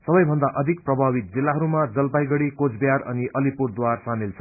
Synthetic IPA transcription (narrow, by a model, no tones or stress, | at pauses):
sʌbʌjbʱʌnd̪aʔʌd̪ʱik̚prʌbʱabit̪̚d͡zilːaɦʌɾumad͡zʌlpajɡʌɽikod͡zbjaɾʌniʔʌlipuɾd̪warsamilt͡sʰʌ̥